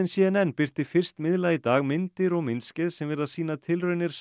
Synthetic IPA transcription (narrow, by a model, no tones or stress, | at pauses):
ɪnsiːɛnɛnpɪr̥t̪ɪfɪr̥st̪mɪðlait̪aːɣmɪnt̪ɪɾɔɣmɪnscɛðsɛmvɛɾaðsiːnaðt̪ʰɪlrœɥnɪɾ̥s